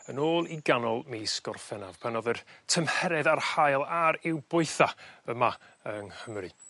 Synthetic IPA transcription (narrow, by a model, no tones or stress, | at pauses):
ənoːlˠiɡanɔlˠmiskɔrfɛnav̥pʰanɔðərtʰəmhɛɾɛðarhajlˠaɾɪwbʊɨθaəma | əŋhəmrɨ